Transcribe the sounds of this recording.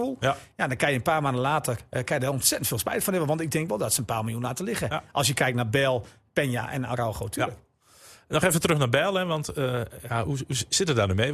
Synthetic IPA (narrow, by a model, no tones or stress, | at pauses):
ulˠjadɔkajənpaːrmaːndəlaːtərkajədaɔnsɛtəntfɪːlˠspɛjtəfɔnɛʋəʋɔntɪk̚dɪŋkʋɛlˠdɔtsəənpaːlˠmilˠjunlaːtəlɪɣəʔɔlˠsjəkɛjk̚tnabɛlˠ | pɛnja̰ʔɛ̰na̰rɔwxowtʰylək | nɔxefətrøxnabɛlˠɛʋɑntjahuusɪtətdaːrnyme